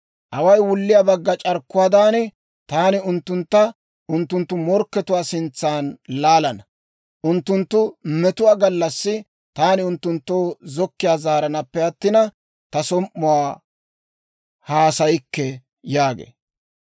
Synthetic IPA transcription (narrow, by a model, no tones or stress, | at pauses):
ʔɐwɐjwʊlːɪjaːbɐɡːɐt͡ʃʼɐɾkːʊwaːd̪aːnɪ | t̪aːnɪʊnt̪ːʊnt̪ːɐ | ʔʊnt̪ːʊnt̪ːʊmɔɾkːɛt̪ʊwaːsɪnt͡sːaːnlaːlɐnɐ | ʔʊnt̪ːʊnt̪ːʊmɛt̪ʊwaːɡɐlːɐsːɪ | t̪aːnɪʊnt̪ːʊnt̪ːoːzɔkːɪjaːzaːɾɐnɐpːɛɐt̪ːɪnɐ | t̪ɐsɔmʔːʊwaː | haːsɐjɪkːɛ | jaːɡḛː